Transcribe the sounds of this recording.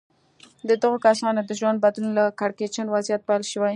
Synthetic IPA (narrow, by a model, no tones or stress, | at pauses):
d̪əd̪aɣokasɑnod̪əʒwand̪̚bad̪lunlakaɽket͡ʃanwazijat̪̚pajlʃəwaj